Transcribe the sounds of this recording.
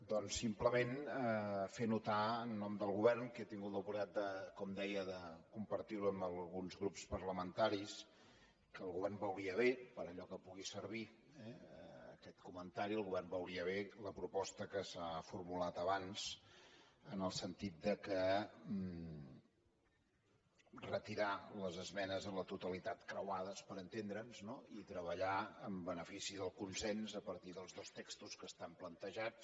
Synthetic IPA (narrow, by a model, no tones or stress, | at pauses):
d̪ɔnsimpləmenəfenut̪aənːɔmd̪əlˠɣuβɛrnket̪iŋɡut̪ləpuɾat̪̚d̪əkɔmd̪ɛjəðəkumpəɾt̪iɾuəmbəlˠɣunzɣɾupspərləmənt̪aɾis | kəːlˠɣuβɛrmbawɣiəβepəɾəʎɔkəpuɣisərβ̞i | ɛːkɛt̪kumənt̪aɾiəlˠɣuβɛrmbawɡiəβeləpɾupɔst̪əkəsafurmulat̪əβanz | ənəlˠsənt̪it̪̚d̪əkə | rət̪iɾaləzəzmɛnəzənlət̪ut̪əlit̪at̪kɾəwaðəspəɾənt̪end̪ɾənznoit̪ɾəβəʎaəmbənəfisiðəlˠkunsɛnzəpəɾt̪iðəlˠzðost̪ekst̪uskəst̪amplənt̪əʒat͡s